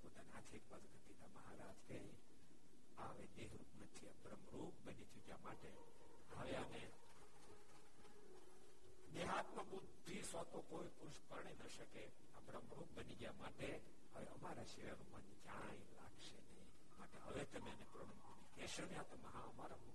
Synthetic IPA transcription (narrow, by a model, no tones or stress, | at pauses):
pot̪aneat̪ʰekʋəd͡zɡʱət̪id̪aməɦaɾad͡ʒkəi | aʋed̪eɦɾupnət̪ʰiəbɾəmɾup̚bənid͡ʒud͡ʒjamaʈe | ɦəʋeəne | neɦat̪̚mãbud̪ʱisʋat̪okoipuɾʃpəɾɳ̃enəʃəke | abɾəmɾup̚bənid͡ʒjamaʈe | ɦəʋeʔəmaɾaʃeʋanumand͡ʒaɽ̃ãjla̰ɡʃenəĩ | maʈeɦə̰ʋet̪əmeənepɾəmumkunikeʃənjat̪əməɦãəmaɾamu